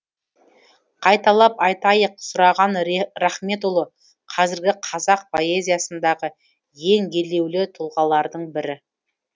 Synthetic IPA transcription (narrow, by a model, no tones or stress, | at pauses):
qʰɑjt̪ɑlˠɑpɑjt̪ɑjəqsʊɾɑʁɑnɾæχme̞t̪ulˠə | qʰɑzɪɾɡʲɪqʰɑzɑq̚pʰo̞e̞zʲijasənd̪ɑʁə | je̞ŋɡʲe̞le̞wlɪt̪ʰʊlˠʁɑlˠɑɾd̪əɴbɪɾɪ